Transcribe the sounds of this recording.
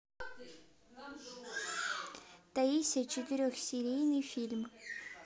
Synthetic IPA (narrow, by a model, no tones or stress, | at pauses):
d̪̥ajiset͡ʃʰid̪iɾøxsiɾinifilʲm